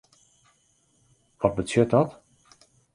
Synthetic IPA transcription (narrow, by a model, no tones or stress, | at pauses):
ʋɔt̚bətjøt̚dɔt